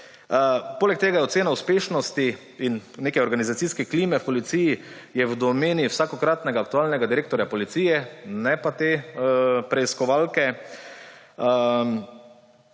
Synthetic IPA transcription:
poːlɛk̚t̪eːɡajɛɔt̪seːnauspeːʃnɔst̪i | innːeːkɛɔɾɡanizat̪siskɛkliːmɛpɔlit̪siːji | jɛwd̪ɔmeːniwsakɔkɾaːt̪nɛɡaːk̚t̪uaːlnɛɡad̪iɾeːk̚t̪ɔɾjapɔlit̪siːjɛnɛpat̪eːpɾɛiskɔʋalkɛ

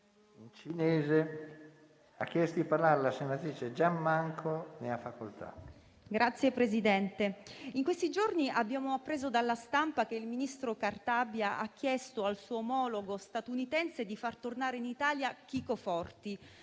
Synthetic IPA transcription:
int͡ʃinɛːze | a̰k̟ːjɛst̪od̪iparlaɾelasenːat̪ɾiːt͡ʃed͡ʒamːaŋkʰoneafːakolt̪ʰa̰ | ɡɾʔat̪sːjepɾezid̪ɛnt̪eiŋkwest̪id͡ʒorniʔabːjaːmoapːɾeːzod̪alːast̪ampak̟eilminist̪ɾokart̪abjaʔa̰k̟ːjɛst̪oalsuːoːmɔloɡost̪at̪unit̪ɛnsed̪ifart̪ornaːɾeinit̪aːljak̟ikofɔrt̪i

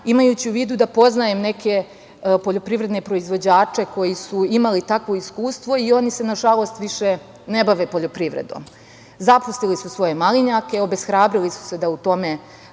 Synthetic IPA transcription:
imajuːt͡ɕiuʋiːd̪ud̪apo̞znaje̞mne̞ke̞ | poʎo̞pɾiʋɾe̞d̪nepɾo̞izʋo̞d͡ʑaːt͡ʂe̞ko̞jisuimalit̪akʋo̞iskuːst̪ʋo̞io̞nise̞naʒalˠo̞st̪ʋiʃe̞ | ne̞baʋepo̞ʎo̞pɾiʋɾḛd̪o̞̰ːm | zapust̪ilisusʋo̞je̞maliɲake̞o̞be̞sxɾaːbɾilisu̥se̞d̪aut̪o̞me̞

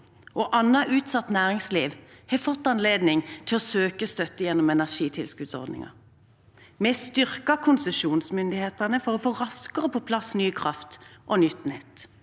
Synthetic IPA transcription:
ʔɔʔɑnːɑʔʉːt̪sɑt̪næːʁɪŋsliːʋhɛfɔt̪ːɑnleːd̪nɪŋt̪ʰɪlɔsøːkəst̪œt̪ːəjɛnːɔmɛnæʁʃiːt̪ʰɪlskʉd̪sɔ̰ʁd̪nɪ̰ŋɑ̰ | mɛst̪ʏʁkɑkʰʊnsəʃuːnsmʏnd̪ɪheːt̪ænəfɔʁɔfoːʁɑskəʁəpʰɔpʰlɑsnyːkʰʁɑft̪ʔɔnʏt̪ːnɛt̪ː

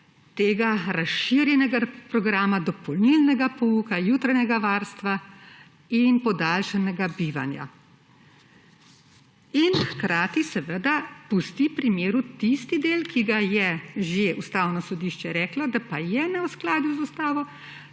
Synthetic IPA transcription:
t̪eːɡaɾasʃiːɾjɛnɛɡapɾɔɡɾaːmad̪ɔpɔlnilnɛɡapɔuːkajuːt̪ɾaɲɛɡaʋaːɾst̪ʋa | inpɔd̪aːlʃanɛɡabiːʋa̰nja̰ | inxkɾaːt̪isɛʋəd̪apust̪ipɾimjeːɾut̪ist̪id̪eːlkiɡajɛʒeust̪aːwnɔsɔd̪iʃt͡ʃɛɾɛːklɔd̪apajɛnɛwsklaːd̪juzust̪aːʋɔ

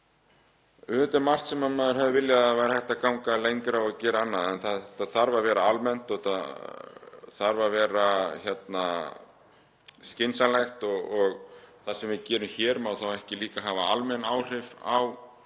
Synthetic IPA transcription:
ʏt̪ɪɾmar̥t̪sɛmamaːðʏɾ̥ɦɛvðɪvɪljaðaðvajɾahɛht̪akawŋkalejŋkʏɾawaðcɛːɾaanːaðɛnθaðt̪ːaθaɾvavɛːɾaalmɛn̥t̪ɔa | θaɾvavɛːɾaçɛt̪na | scɪnsalɛxt̪ɔɣɔɣθasɛmvɪcɛːɾʏmçɛːɾmawθawɛhcɪliːkaɦavaalmɛnaːwr̥ɪva̰w

